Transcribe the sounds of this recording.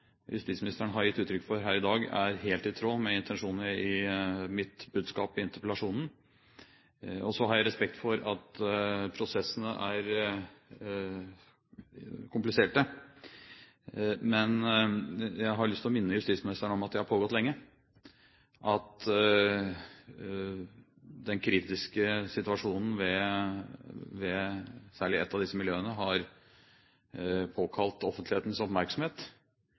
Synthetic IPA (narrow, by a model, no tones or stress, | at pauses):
jʉ̰st̪iːtsmɪnɪst̪əɳəɦɑɾjɪt̪ːʉːt̪ʰɾʏkːfɔɾɦæːɾɪd̪ɑːɡæɾɦeːlt̪ɪt̪ʰɾoːmɛɪnt̪ʰɛnʂuːnəɾɪmɪt̪bʉːd̪skɑːpɪɪnt̪əɾpəlɑʂuːnn̩ | ɔsɔɦɑɾjæɪɾɛspɛkt̪fɔɾɑt̪pʰɾʊsɛsːənəʔæɾ | kʰʊmplɪseːʈə | mɛn | jæɪɦɑɾɭʏst̪ʰɪlɔmɪnːəjʉst̪iːsmɪnɪst̪əɳɔmɑt̪̚d̪ɛɪhɑɾpʰoːɡɔt̪lɛŋːə | ʔɑt̪ | d̪ɛnkʰɾiːt̪ɪskəsɪt̪ʉɑʂuːnn̩ʋɛ | ʋɛsæːɭɪɛt̪ːɑʋd̪ɪsːəmɪljøːənəɦɑɾ | pʰoːkʰɑlt̪ɔfənt̪lɪeːt̪n̩sɔpmæɾksɔmheːt̪